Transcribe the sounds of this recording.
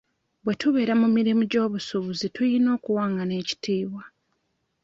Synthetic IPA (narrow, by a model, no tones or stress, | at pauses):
βwe̞tuβe̞ːɾamumiɾimuɟo̞ːβusuβuzitujino̞ːkuwaːŋɡane̞ːci̥tiːβwa